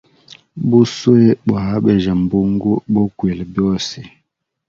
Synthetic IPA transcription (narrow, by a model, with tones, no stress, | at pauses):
bu˦swe˦ɓa˨a˦ɓɛ˨ʒa˨m˨bu˦ŋɡu˦ɓɔ˦kwe˨lbjɔ˦si˨